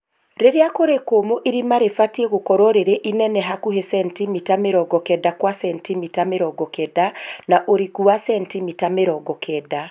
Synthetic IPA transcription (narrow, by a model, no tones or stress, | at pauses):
ɾeɾeakoɾekomoʔiɾimaɾefatieɣokɔɾɔɾeɾeʔinɛnɛɦakuɦesɛntimitameɾɔɡɔkɛdakwasɛntimitameɾɔɡɔkɛdanaʔoɾikuasɛntimitameɾɔɡɔkʰɛda